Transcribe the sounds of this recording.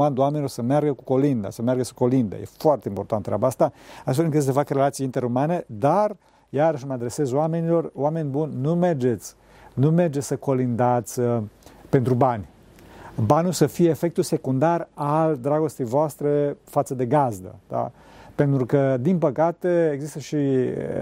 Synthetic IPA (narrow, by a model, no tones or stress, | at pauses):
and̪oame̞nilo̞rsəmearɡəkuko̞lind̪a̰səmearɡəsə̥ko̞lind̪ə̰jḛfoart̪e̞impo̞rt̪anɾʲabaast̪aast̪felɨŋkɨt̪s̬efakre̞lat̪sijint̪e̞ɾumane̞d̪ar | jaɾəʃməad̪ɾe̞se̞zowame̞nilo̞roame̞nʲbunʲːume̞rd͡ʒe̞t̪sʲ | nume̞rd͡ʒesəko̞lind̪at̪sʲpe̞nt̪ɾubanʲ | banulsəfijeːfe̞k̚t̪ulse̞kund̪arald̪ɾaɡo̞st̪ejvoast̪ɾe̞fat̪səd̪e̞ɡazd̪ə̰d̪̥a̰ | pe̞nt̪ɾukəd̪inpəkat̪e̞eɡzist̪əʃi